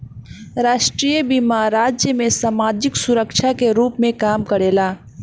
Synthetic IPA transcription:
ɾaːʃʈɾiːjəbiːmaːɾaːd͡ʒjəmẽsaːmaːd͡ʒɪksʊɾəkʃʰakeɾuːpmẽkaːmkəɾeːlaː

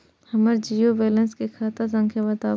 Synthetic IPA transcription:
hɐməɾd͡ʒiːjobɛːlə̃nskekʰaːt̪as̬ɐ̃ŋkʰjabɐt̪aː

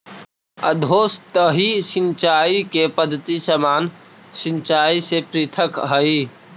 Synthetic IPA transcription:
ə̰d̪ʱoːst̪əɦisɪnt͡ʃaːikepəd̪ʱːət̪isəmaːn | sɪnt͡ʃaːisepɾit̪ʰəkɦəi

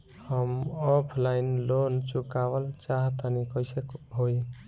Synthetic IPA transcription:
həmɔpʰlainlont͡ʃukabəlt͡ʃaɦt̪ənikəjsekɦoj

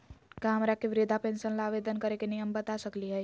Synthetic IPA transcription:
kaːmɾakeʋɪɾɪd̪ʱapɛ̃ːnʃənlaaːʋeːd̪ənkɐɾekenɪjəmbət̪asɐkliɦɛː

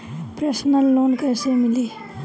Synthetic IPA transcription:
pɾesnɐlːoːnkajsemili

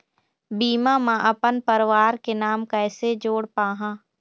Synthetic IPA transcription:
biːmãːmãʔɐpənpəɾʋaːɾkenaːmkɛːsed͡ʒoːɽpaːɦãː

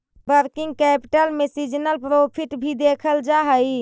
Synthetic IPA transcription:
bəɾkiŋɡ̚kɛpi̥ʈəlmesid͡ʒnəlpɾopʰiʈbʱid̪ekʰəld͡ʒaɦəj

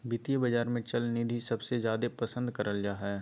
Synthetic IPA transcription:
bɪt̪ijəbɐd͡ʒaːɾmẽt͡ʃɐlnid̪ʱisɐbsezjaːd̪epɐsə̃nd̪kɐɾəld͡ʒaːɦɛː

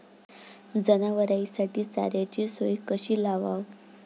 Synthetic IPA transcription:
d͡zənaʋəɾaisaʈiːt͡sa̰ɾjat͡ɕisojkəɕiːlaʋaw

